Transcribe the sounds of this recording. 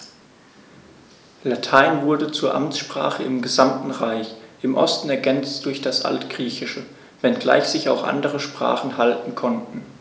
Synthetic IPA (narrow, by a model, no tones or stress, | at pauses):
latʰaɪnvʊɐdət͡suːɐʔamt͡sʃpʁ̥a̰ːχəɪmɡəzamtn̩ʁaɪçʔɪmʔɔ̰stn̩ɛɐɡɛnt͡std̥ʊɐçd̥asʔa̰ltɡ̥ʁiːçɪʃə | vɛnɡla̰ɪçz̥ɪçaʊxʔa̰ndəʁəʃpʁ̥a̰ːχn̩haltn̩kʰɔntn̩